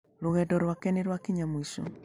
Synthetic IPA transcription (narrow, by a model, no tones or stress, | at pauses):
loɣɛdɔɾwakɛneɾwakiɲamoiʃɔ̰